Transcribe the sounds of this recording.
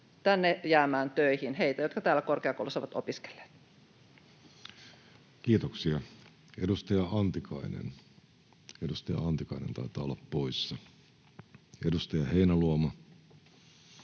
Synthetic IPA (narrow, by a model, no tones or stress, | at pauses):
t̪ænːejæːmæːnt̪øihinheit̪æjot̪kɑt̪æːlːækorkeɑko̰ˑulusɑʋɑt̪o̰piske̥lːe̥ːt̪ | kiːt̪oksiɑ | edust̪ɑjɑɑnt̪ikɑinḛn | edust̪ɑjɑ̰ɑnt̪ikɑinent̪ɑ̰it̪ˑɑːolːɑppoisːɑ | edust̪ɑjɑheinæluomɑ